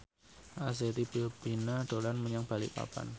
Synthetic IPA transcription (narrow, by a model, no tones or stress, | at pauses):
ʔaset̪ibiobinaɖ̪̥o̤lanməɲaŋb̥a̤lḭpa̰pa̰n